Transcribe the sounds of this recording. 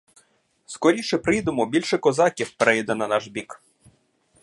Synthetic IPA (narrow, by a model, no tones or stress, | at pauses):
skɔɾʲiʃɛpɾɪjd̪omɔbʲilʲʃɛkɔzɑkʲiwpɾɛjid̪ɛnɐnɑʒbʲik